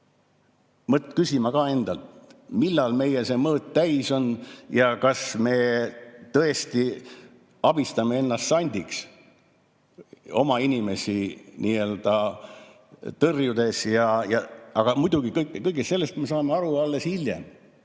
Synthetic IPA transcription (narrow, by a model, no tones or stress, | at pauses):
mɤt̪kysʲimɑkɑːe̞nd̪ɑlt̪milːɑlme̞jese̞mɤːt̪t̪æjso̞njɑkɑsme̞t̪ɤ̞e̞st̪i | ɑb̥ist̪ɑmee̞nːɑst̪sɑnʲd̪̥ʲiks | o̞̰mɑinʲime̞sʲiniːe̞ld̪̥ɑ | t̪ɤrjud̪̥e̞sjɑjɑɑɡ̥ɑmud̪uɡ̥ikɤjkːˑkɤjɡestse̞lːest̪me̞s̬ɑːme̞ɑɾuɑlːe̞shiljḛm